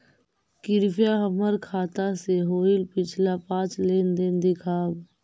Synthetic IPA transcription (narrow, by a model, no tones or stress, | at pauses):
kɪɾpjaɦəməɾkʰaːt̪aseɦoːɪlpɪt͡ʃʰlapãːt͡ʃlend̪ɪnd̪ɪkʰaːb